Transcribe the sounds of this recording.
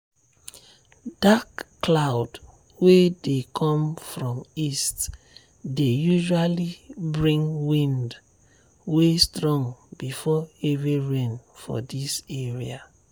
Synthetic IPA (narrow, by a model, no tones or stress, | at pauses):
d̥akː | laʊd | wedekʰɔ̃mfɹɔ̃mist | dejuʒalibɹĩŋwĩnd | westɹɔ̃ŋbifɔeviɹẽnfɔ̰diseɹia